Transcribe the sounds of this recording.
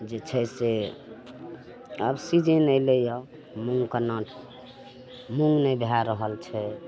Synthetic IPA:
d͡ʒet͡ʃʰəse | əbsid͡ʒʱenəjlejə | muŋɡkənəʈʰ | muŋɡnɛbʱjaɾəɦəlt͡ʃʰɛ

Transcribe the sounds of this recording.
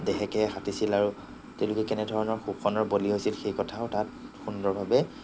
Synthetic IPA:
dɛxɛkɛxatisilaɹu | tɛʊlʊkɛkɛnɛdʱɔɹɔnɔɹxukʰɔnɔɹboliɦojsilxejkɔtʰaʊtatxundɔɹbʱabɛ

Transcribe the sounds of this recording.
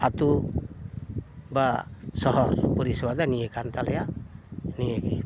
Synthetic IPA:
at̪u | basɔɦɔɾpɔɾiswad̪anijekant̪alɛja | nieɡi

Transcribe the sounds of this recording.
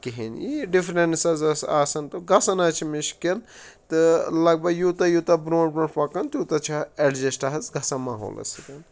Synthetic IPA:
kiɦinjiɖifɾensɐzɐsaːsɐnt̪ɨɡɐsɐnaːt͡ʃʰimiʃkelt̪ɨlɐɡ̚bɐɡjut̪ɐjut̪ɐbɾõːɳpɐɳpɐkɐnt̪jut̪ɐt͡ʃʰaeɖd͡ʒesʈaɦɐzɡɐsamaːɦo̰ːlɐ̰sikɐn

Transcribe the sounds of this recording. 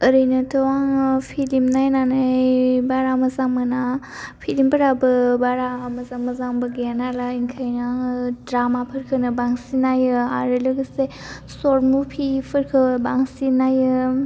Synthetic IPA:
əɾɯjnɯtʰɯwaŋpʰilimnajnanajbaɾamɐzaŋmɯna | pʰilimbəɾabɯbaɾamɐzaŋmɐzaŋbɯɡanalaiŋkʰajnaŋdɾamapʰɯɾkʰɯnɯbaŋsinajɯaɾɯlɯɡɯse | sɔɾmupʰipʰɯɾkʰɯbaŋsinajɯ

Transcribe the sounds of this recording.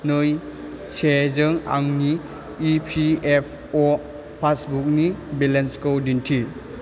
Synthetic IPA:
nɯj | sezɯŋa̰ŋniː | pʰiepʰ | ɔ | pʰasbuk̚nibelenskowdintʰi

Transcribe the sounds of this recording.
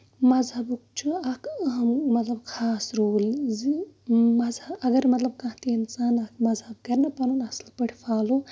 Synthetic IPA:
mɐzɐbuk̚t͡ʃʰuɐkɦɐmmɐt̪lɐbkʰaːsɾoːlzimɐzɐbɐɡɐɾmɐt̪lɐb̚kɐ̃ɦt̪ʰiinsaːnɐkʰmɐzɦɐb̚kɐɾnɐpɐɾunɐslpɐɽʰʲipʰaːlu

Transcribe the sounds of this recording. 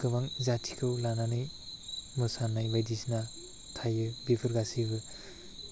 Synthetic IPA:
ɡɯbaŋzatʰi̥kʰɯwlananɯj | mɯsanːajbajdisna | tʰajɯbibʰɯɾɡasibɯ

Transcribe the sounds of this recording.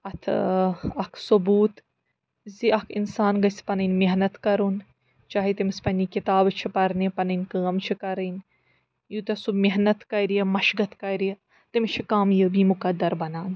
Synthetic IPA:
ɐt̪ʰɐkʰsubuːt̪ | ziɐkʰinsaːnɡɐsi̥pɐnɨnʲmeɦnɐt̪kɐɾun | t͡ʃaːɦit̪imispɐnʲikit̪aːbt͡ʃʰipɐɾnipɐnɐnʲkaːmt͡ʃʰikɐɾɐn | jut̪ɐsumeɦnɐt̪kɐɾijɐmɐʃɡɐt̪kɐɾijɐ | t̪imʲt͡ʃʰikaːmjəːbiːmukɐd̪ːɐɾbɐnaːn

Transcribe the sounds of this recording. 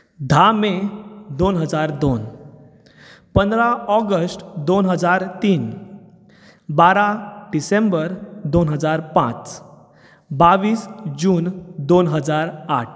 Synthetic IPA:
d̪ʱamed̪onɦəd͡zaɾd̪on | pənd̪ɾaɔɡəsʈd̪onɦəd͡zaɾt̪iːn | baɾaɖisembəɾd̪onɦəd͡zaɾpã̰t͡s | baʋiːsd͡ʑuːnd̪onɦəd͡zaɾaʈʰ

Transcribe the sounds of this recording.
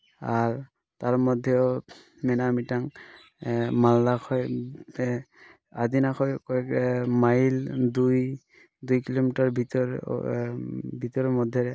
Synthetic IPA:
aɹ | t̪aɹmɔd̪ʱːɛo | mɛnamitaŋ | malːakʰɔj | ad̪inakʰɔjkɔɛkmajild̪uj | d̪ujkilomitaɹbʱitɔ̰ | bʱit̪ɔɹɔmɔd̪ʱːɛɹɛ

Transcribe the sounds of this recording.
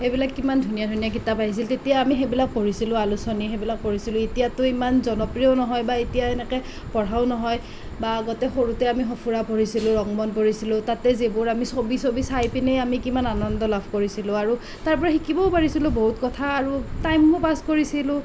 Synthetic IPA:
xebilakːimandʱunijadʱunijakitapaɦis̬iltetijaːmixebilak̚poɹisilʊ̃alusɔnixebilak̚poɹisilʊ̃etijatʊimanzɔnɔpɹiɔnɔɦɔjbaetijaɛnɛkɛ | pɔɹaʊnɔɦɔj | baɡɔtɛxoɹutɛamixɔpʰuɹapoɹisilʊ̃ɹɔŋbɔnpoɹisilʊ̃tatɛzebʊɹamisobisobisajpinejamikimananɔndɔlabʱkoɹisilʊ̃aɹu | taɹpɔɹɛxikibɔʊpaɹisilʊ̃boɦutkɔtʰaːɹutajmːʊpaskoɹisilʊ̃

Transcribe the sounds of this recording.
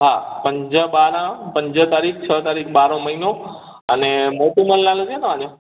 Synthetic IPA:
ɦapəɲd͡ʒəbaɾãpəɲd͡ʒət̪aɾik̚ʰt͡ʃʰət̪aɾik̚ʰbaɾõməɦino | ənemoʈũməllalod͡ʒenəad͡ʒo

